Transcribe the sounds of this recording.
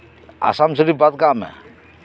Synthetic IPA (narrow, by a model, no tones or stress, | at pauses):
a̰samsəɾibat̪̚kaʔmɛ̰